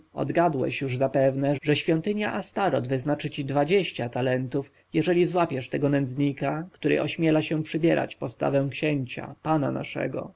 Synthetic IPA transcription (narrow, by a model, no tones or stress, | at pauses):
ɔ̰d̪ɡad̪wɛ̰ɕjuʐzapɛvnɛʐɛɕfʲjɔnt̪ɘɲjaʔast̪aɾɔd̪vɘznat͡ʂɘt͡ɕid̪vad͡ʑeɕt͡ɕat̪alɛnt̪uf | jɛʐɛlʲizwapʲjɛʂt̪ɛɡɔnɛnd̪zɲikakt̪uɾɘ̰ʔɔɕmʲjɛlaɕɛpʂɘbʲjɛɾa̰t͡ɕpɔst̪a̰vɛ̃w̃kɕɛɲt͡ɕa̰pana̰na̰ʂɛ̰ɡɔ̰